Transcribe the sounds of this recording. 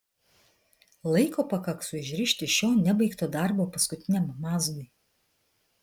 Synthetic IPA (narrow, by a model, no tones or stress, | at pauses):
lˠɐɪkoːpɐkɐksʊɪʒʲɾʲɪʃʲt̪ʲɪʃʲoːnʲɛbɐɪkt̪oːd̪ɑˑɾboːpɐskʊt̪ʲɪnʲɛmmɑːzɡʊɪ